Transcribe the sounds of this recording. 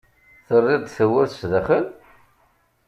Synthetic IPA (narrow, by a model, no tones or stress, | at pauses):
θərˤːɪðˤθəwəɾθsðæχəl